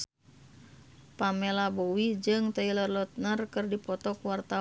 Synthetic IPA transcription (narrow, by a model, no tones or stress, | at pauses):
pamɛlabowid͡ʒɨŋt̪ailərlɔt̪̚nərkɨrdipɔt̪ɔkwart̪a